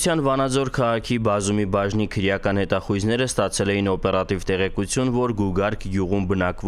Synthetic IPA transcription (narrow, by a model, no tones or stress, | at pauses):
t͡sʰjɑnvɑnɑd͡zɔɾkʰɑʁɑkʰibɑzumibɑʒnikʰəɾjɑkɑn̪hɛt̪ɑχujznɛɾəst̪ɑt͡sʰɛlɛjinɔpɛɾɑt̪ivt̪ɛʁɛkut͡sʰjunvɔɾɡuɡɑɾkʰɡjuʁumbənɑkvɔ